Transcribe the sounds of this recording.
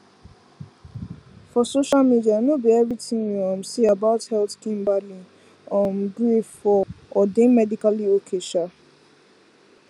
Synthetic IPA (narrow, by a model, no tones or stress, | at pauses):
fɔsoʃalmidianobiɛvɹitĩwiãmsiabaʊthɛltkĩmbalĩ | ɔ̃nɡɹifɔɔdẽmɛdikaliokʰeʃa